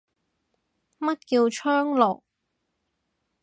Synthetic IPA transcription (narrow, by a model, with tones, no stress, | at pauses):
mɐ˥t̚kiː˧wt͡ʃʰœː˥ŋlɔ̰ː˨˩k̚